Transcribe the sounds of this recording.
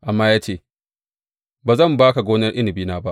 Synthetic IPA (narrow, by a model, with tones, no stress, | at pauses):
ʔa˨mːaː˦jaː˦t͡ʃeː˦˨ | baː˨zɐ˦˨mbaː˦ka˨ɡʷoː˦nɐ˦rʔɪ˦nɪ˨biː˦naː˦ba˦ʔ